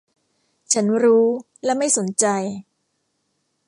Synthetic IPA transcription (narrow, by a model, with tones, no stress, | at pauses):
t͡ɕʰa˦˥nɾuː˦˥ | lɛ˦˥ma˥˩jso˩˦nt͡ɕa˧j